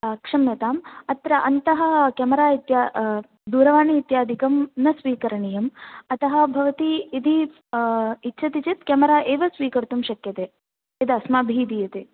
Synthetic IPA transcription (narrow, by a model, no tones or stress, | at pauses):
kʂɐmjɐt̪aːmɐt̪ɾɐʔɐnt̪ɐɦɐkɐmɐɾaːit̪jaː | d̪uːɾɐʋaːniːt̪jaːd̪ʱikɐmnɐsʋiːkɐɾɐɳijɐmɐt̪ɐɦɐ̆bʱɐʋɐt̪iːd̪ʱi | itːʃʰɐt̪it͡ʃit̪kɐmɐɾaːʔeːʋɐsʋiːkɐɾt̪umʃɐkjɐt̪eː | ed̪ɐsmaːbʱiːd̪ijɐt̪eː